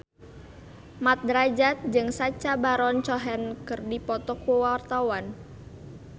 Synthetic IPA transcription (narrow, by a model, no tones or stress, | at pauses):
mat̪̚dɾad͡ʒat̪̚d͡ʒɨŋsat͡ʃabaɾɔnt͡ʃɔɦɛnkɨrdipɔt̪ɔkuwart̪awan